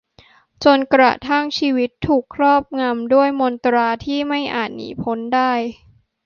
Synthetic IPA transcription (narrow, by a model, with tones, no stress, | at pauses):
t͡ɕo˧nkɾa̰˨˩t̪ʰa˥˩ŋt͡ɕʰiː˧wi˦˥t̪ʰːuː˨˩kʰːɾɔː˥˩p̚ŋa˧mdu˥˩əjmo˧nt̪ɾaː˧t̪ʰiː˥˩ma˥˩jʔa̰ː˨˩t̪̚nḭː˨˩˦pʰo˦˥ndaː˥˩j